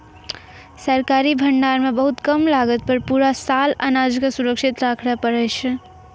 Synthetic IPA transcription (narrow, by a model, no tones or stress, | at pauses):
səɾkaɾibʱəɳɖaɾmebəɦut̪kəmlaɡət̪̚pəɾpuɾasalanad͡ʒksuɾəkʃit̪ɾakʰɽapəɾəjt͡ʃʰ